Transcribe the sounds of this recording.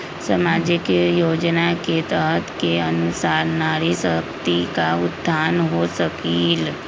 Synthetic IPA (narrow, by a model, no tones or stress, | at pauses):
səmad͡ʒikjod͡ʒnaket̪əɦt̪keənusaɾnaɾisək̚t̪ikaud̪ʱanɦosəkiːl